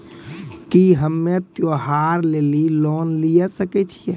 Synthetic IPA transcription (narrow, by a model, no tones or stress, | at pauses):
kiɦəmːet̪joɦaɾleːliloːnlijasəkɛt͡ʃʰiɛ